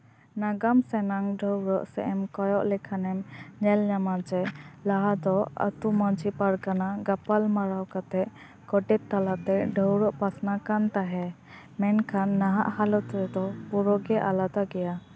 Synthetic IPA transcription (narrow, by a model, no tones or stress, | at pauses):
naɡamsɛnaŋɖʱəwɾɔʔsɛ̰ʔɛmkɔjɔʔlɛkʰanɛmɲɛlɲamad͡ʒɛlaɦad̪ɔə̰t̪umɔd͡ʒipaɾkanaɡapalmaɾawkat̪ɛʔ | kɔʈɛt̪ːalaʔt̪ɛʔɖʱəwɾɔʔpasnakant̪aɦɛ | mɛnkʰanːaɦa̰ʔhalɔt̪ɾɛd̪ɔpuɾɔɡɛʔalat̪aɡɛja